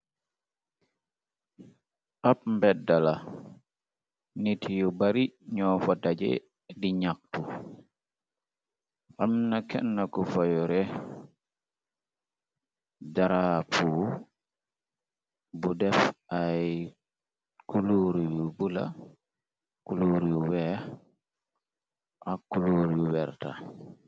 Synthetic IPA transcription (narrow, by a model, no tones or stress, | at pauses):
ʔap̚mbɛdala | nitʰijɔbaɾiɲɔfadad͡ʒɛ̰ | diɲak̚tu | ʔamnakɛ̰nːakɔfajɔɾɛ | daɾafuː | budɛfʔaj | kuluɾijubula̰ | kuloɾijuwɛ | ʔakːuloɾijuwɛɾta̰